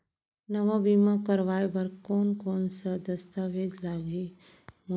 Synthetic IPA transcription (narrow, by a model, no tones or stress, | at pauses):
nɐʋabiːmakɐɾʋaːebɐɾkɔːnkɔːnsad̪ɐst̪aːʋeːd͡ʒlaːɡi | mo